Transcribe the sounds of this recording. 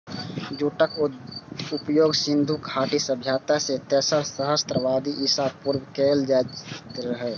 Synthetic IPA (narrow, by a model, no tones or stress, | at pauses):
d͡ʒuːʈək | ʊpjoːɡsɪ̃nd̪ʱukʰaːʈisəbʱjaːt̪aset̪ɛːsəɾsəɦəst̪ɾəʋaːd̪iʔisapuɾwkeːld͡ʒaːt̪ɾəɦɛː